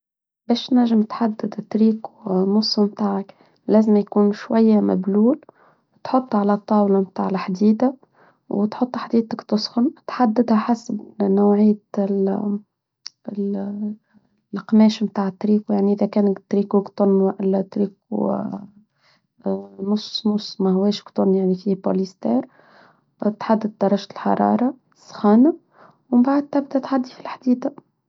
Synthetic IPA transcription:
bɛːʃnæʒːɪmt̪ħad̪ːɪd̪t̪ɾiːku̥nʊsˤːmt̪aːʕak | læːzɪmjkuːnʃwajːamæ̰bluːl | t̪ħot̪ˤːʕalæt̪ˤːɑːwlamt̪aːʕɪlħd̪iːd̪a | wɪt̪ħʊt̪ˤːħd̪iːd̪̚akt̪ʊsˤxʊnt̪ħad̪ːɪd̪hæħasbnawʕɪjːa | qmɛːʃmt̪aːʕət̪ːɾiːkujaʕniʔɪðækɛːnt̪ːɾiːkukt̪ʊnːwaʔɪlt̪ɾiːkṵ | nʊsnʊsˤːmæhʊwɛːʃkt̪ˤʊnːjaʕnifibo̰list̪ɛːɾ | t̪ħad̪ːɪd̪̚ːɑɾˤːɑʒlħɑ̰ɾˤɑ̰ːɾˤɑ | sˤxɑːna | wmbaʕad̪̚t̪ɪb̚d̪æt̪ħad̪ːifilħd̪iːd̪a

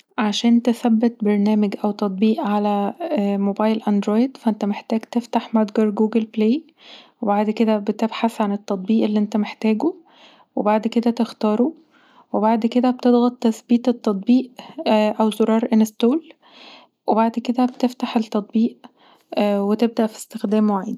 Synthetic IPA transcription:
ʕaʃæːnt̪eθæbːet̪̚bɑɾˤnæːmeɡʔæwt̪ɑt̪ˤbiːʔʕalæmobɑːjlʔænd̪ɾoːjd̪fæʔent̪æmeħt̪æːɡt̪eft̪aħmæd̪ɡɑɾˤɡuːɡelpleː | webaʕd̪ked̪æbet̪ebħaθʕanet̪ːɑt̪ˤbiːʔelːiʔent̪æmeħt̪æːɡo | webaʕd̪ked̪æt̪ext̪ɑːɾˤo | webaʕd̪ked̪æbet̪ed̪ɣɑt̪ːæsbiːt̪ˤet̪ːɑt̪ˤbiːʔʔæwzoɾˤɑːɾˤʔenest̪oːl | webaʕd̪ked̪æbet̪eft̪aħelt̪ːɑt̪ˤbiːʔ | wet̪eb̚d̪æʔfi̥st̪exd̪æːmwaʕiːd̪

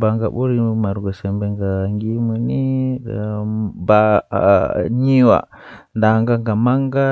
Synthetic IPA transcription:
baŋɡaɓoɾimaɾɡosembeŋɡaŋɡimuni | ba | ɲiwa̰ | ndaŋɡaŋɡamaŋɡa

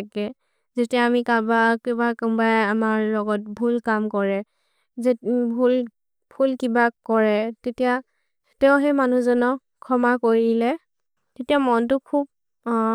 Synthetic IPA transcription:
akɛ | zetijaːmikabakɛbakmbajamaɹlɔɡɔt̚bʱulkamkɔɹɛ | zebʱul | bʰʱulkibakɔɹɛtetija | tɛʊɦɛmanuzɔnɔ | kʰɔmakoɹilɛ | tetijamɔntʊkʰub̚

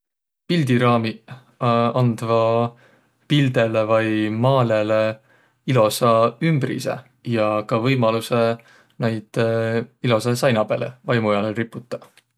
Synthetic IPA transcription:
pild̪iɾɑːmi | ɑnd̪̥vɑ | pild̪e̞levɑjmɑːle̞le | ilo̞sɑymbrḭsḛ | jɑkɑvɤjmɑluse | nejd̪̥ilo̞sesɑjnɑb̥e̞lḛvɑjmujɑleripːˑut̪ːˑɑ̥

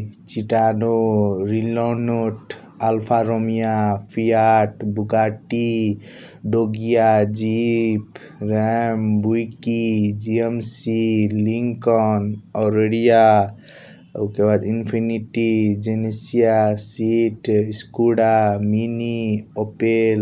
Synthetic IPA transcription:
t͡ʃiʈanoɾilɔnoʈ | alpʰaɾomijapʰijaʈbuɡaʈi | ɖoɡijad͡ʒip | ɾɛmbujkid͡ʒiemsiliŋkɔnɔɾeɽija | ukebad̪inpʰiniʈid͡ʒenesijasiʈiskuɽaminiɔpel

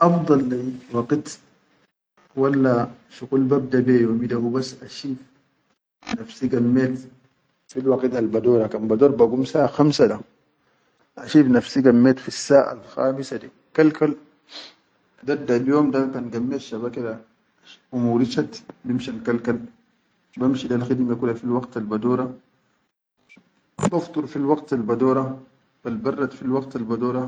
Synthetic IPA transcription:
ʔɑfd̪ˤɑlːiwɑqt̪ | walːaʃuqulbab̚d̪abejoːmid̪ahubasːʔaʃiːf | nafsiɡamːeːt̪ | filwaqit̪albad̪oːɾˤakanbad̪oːɾbaɡumsaːʔaxamsada | ʔaʃiːfnafsiɡamːeːt̪fisːaːʔa̰lxaːmisad̪i | kalkal | d̪ad̪ːaljoːmd̪akanɡamːeʃabakada | umuɾiʃat̪bimʃankalkal | bamʃid̪alxid̪makulafilwɑɡt̪albad̪oːɾˤɑ | baft̪ˤuɾfilwɑɡt̪albad̪oːɾˤɑ | b̥albɑrˤːɑt̪filwɑqt̪albad̪oːɾɑ

